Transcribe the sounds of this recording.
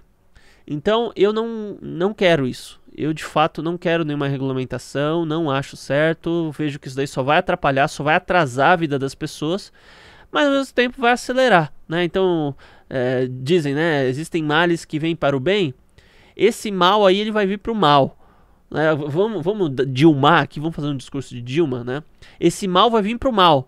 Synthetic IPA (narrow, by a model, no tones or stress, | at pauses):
ḛ̃nt̪ɐ̃w̃ewnɐ̃w̃nɐ̃w̃kɛɾʊisʊ̥ḛwd͡ʒɪfat̪ʊnɐ̃w̃kɛɾʊnẽj̃ũmɐɦeɡulamẽnt̪asɐ̃w̃nɐ̃w̃aʃʊ̥sɛɾt̪ʊveʒʊkɪis̬ʊd̪aisɔvajat̪ɾapaʎasɔvajat̪ɾazaɐvid̪ɐd̪ɐspesoɐs | mɐzawmezmʊt̪ẽmpʊvajaseleɾanɛẽnt̪ɐ̃w̃ | ɛd͡ʒizẽj̃nɛezist̪ẽj̃malɪskɪvẽj̃paɾʊbẽj̃ | esɪmawaielɪvajviɾpɾʊmaw | nʔɛvɐ̃mʊvɐ̃mʊd̪ad͡ʒiwmaɾakivɐ̃mʊfazeɾũd͡ʒɪskuɾsʊd͡ʒɪd͡ʒiwmɐnɛ | esɪmawvajvĩɾpɾʊmaw